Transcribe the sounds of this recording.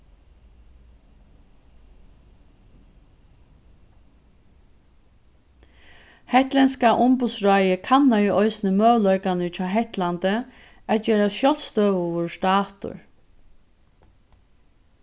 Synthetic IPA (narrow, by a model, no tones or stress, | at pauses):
hɛht̪lɛnskaʔʊmpʊd̪sɹajəkʰanːaiɔjsnɪmœːʋlœjkanɪt͡ʃʰaːɦɛht̪lant̪ə | at̪̚t͡ʃeːɾaʃjɔlst̪œːʋʊʋʊʂt̪aːt̪ʊ̰ɹ